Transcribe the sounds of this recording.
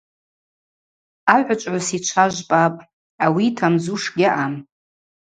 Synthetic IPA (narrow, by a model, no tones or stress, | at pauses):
aʕʷat͡ʃʷʼʕʷasit͡ʃʷʰaʒʷpʼapʼ | awitʰamzuʂɡʲɪʔam